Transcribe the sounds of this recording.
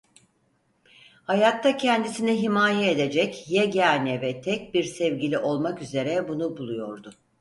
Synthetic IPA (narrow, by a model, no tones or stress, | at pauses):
hajat̪ʰːacʰɛnd̪isinɛɦimaːjɛed̪e̞d͡ʒɛcjɛɟænɛvɛt̪ʰɛc̚biɾsɛvɟilʲiʔo̞lˠmakyze̞ɾɛbunubulˠujo̞ɾd̪ʊ